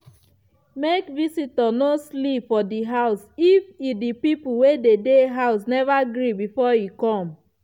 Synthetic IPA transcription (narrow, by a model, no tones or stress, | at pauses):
mekvisitɔnoslipfɔdiɦaʊsifidipipuwededeɦaʊsnɛvaɡɹibifɔjikɔ̃m